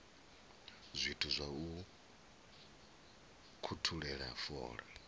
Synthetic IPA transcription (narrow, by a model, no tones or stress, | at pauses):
zʷitʰuzʷau | kʰutʰuɺɛɺa̰fɔ̰ːɺɛ̰